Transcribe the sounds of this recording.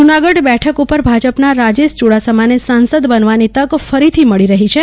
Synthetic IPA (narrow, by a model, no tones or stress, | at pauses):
d͡ʒunaɡəɖbɛʈʰəkupəɾbʱad͡ʒəpnaɾad͡ʒeʃt͡ʃuɽasəmanesansəd̪bənʋanit̪əɡfəɾit̪ʰiməɭiɾəɦit͡ʃʰe